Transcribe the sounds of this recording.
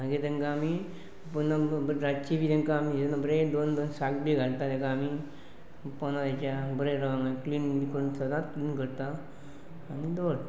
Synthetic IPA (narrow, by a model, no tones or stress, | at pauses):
maɡet̪ẽŋkãːmi | punːabɾat͡ɕibit̪ẽŋkaaminabəɾed̪ond̪onsakbiɡʱaɽt̪ad̪ẽkaːmi | pɔnad̪et͡ɕjabəɾeɾəʋãŋɡakliːnikəɾunsəd̪at̪kliːnkəɾt̪aː | nid̪oɽ